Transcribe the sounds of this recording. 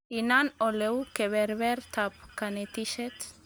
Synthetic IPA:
inanolewkeβeɾβeɾt̪ʰapkanet̪iʃet̪

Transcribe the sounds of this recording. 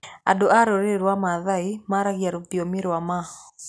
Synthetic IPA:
a̰doʔaɾoɾɪɾwamaðaɪmaɾaɡjaɾopiomɪɾama

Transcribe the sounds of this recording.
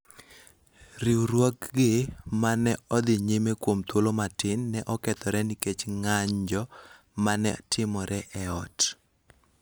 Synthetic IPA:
riuɾwɔkɡɪmanɛɔd̪ɪɲemekwomt̪wolomatɪnːɛʔɔkɛt̪ɔɾɛniket͡ʃŋaɲd͡ʒɔ | manɛ̰tʰɪmɔɾɛʔɛɔt

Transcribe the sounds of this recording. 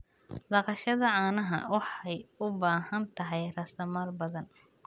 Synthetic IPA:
d̪ɑqɑʃɐðɐʕɑːnɐɦɐ̰wɑħɑjʊbaːɦɐnt̪ʰɐɦɛjrɐsɐmaːlbɐðɐn

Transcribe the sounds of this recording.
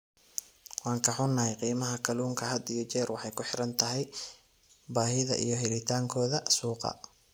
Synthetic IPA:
wɑːŋkʰɐħʊnːɐɦɛjqiːmɐɦɐkʰɐluːŋkʰɐɦɐd̪ijɔt͡ʃɛːrwɑħɑjkʰʊħɪɾɐnt̪ʰɐɦɛj | baːɦɪðɐ̰ʔḭjɞɦɪlɪt̪ʰaːŋkʰɔːðɐsuːqɑ̰

